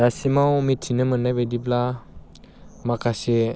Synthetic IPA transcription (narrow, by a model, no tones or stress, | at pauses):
dasimawmitʰinɯmənabedibla | makase